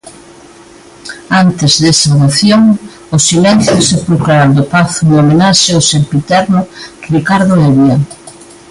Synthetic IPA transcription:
ant̪ɪzðesaðoθjoŋ | ʊsilɛnθjʊsepɾukɾaad̪opaθuŋomenaʃeosempit̪ɛɾnʊrikaɾðʊeβja

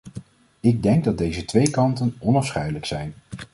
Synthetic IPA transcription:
ɪɡ̚dɛŋɡ̚dɑd̚dejzətʋejkɑntənɔnɑfsχɛjdələksɛjn

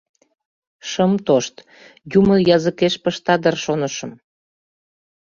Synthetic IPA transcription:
ʃəmt̪oʃt̪ | juməjɑzəkeʃpəʃt̪ɑd̪ərʃonəʃəm

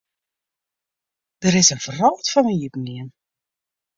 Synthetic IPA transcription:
d̥əɾɪsənvərɔltfɔnənjypniən

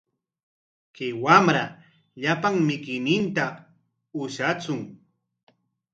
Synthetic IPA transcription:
kɪwamɾa | ʎapaŋmɪkɪjnɪnt̪a | ʊʃat͡sʊŋ

